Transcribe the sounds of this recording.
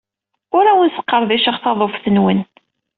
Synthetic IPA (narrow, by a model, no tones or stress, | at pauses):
ʊɾæwənsə̥qːəɾˤðiʃəχθɑðˤofθənwən